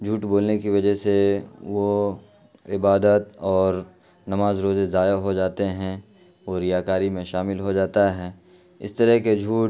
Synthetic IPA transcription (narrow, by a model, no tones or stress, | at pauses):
d͡ʒʱuːʈboːlnekiʋɐd͡ʒəɦseʋo | ɪbaːd̪ət̪ɔːɾ | nɐmaːzɾoːzezaːjaɦod͡ʒaːt̪eɦɛ̃ | ʋoɾɪjaːkaːɾimẽʃaːmɪlɦod͡ʒaːt̪aɦɛ̃ː | ɪ̰st̪ɐɾɛɦked͡ʒʱuːʈ